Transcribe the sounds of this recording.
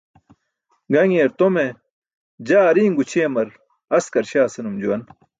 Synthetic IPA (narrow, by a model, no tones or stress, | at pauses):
ɡɐŋeɾt̪ome | d͡ʑaːɾĩːŋɡut͡ɕʰeːmɐɾ | ɐskɐɾɕaːsɐnumd͡ʑuwɐn